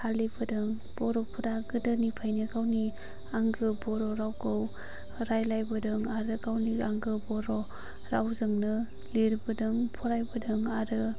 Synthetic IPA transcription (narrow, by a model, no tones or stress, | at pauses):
halibɯdɯŋ | b̥ɔɾɔpʰuɾaɡɯdɯnipʰajnɯɡawni | aŋɡɯbɔɾɔɾawɡɯw | ɾajlajbɯdɯŋaɾɯɡawniaŋɡɯbɔɾɔ | ɾawzɯŋnɯ | liɾbɯdɯŋpʰɔɾajbɯdɯŋaɾɯ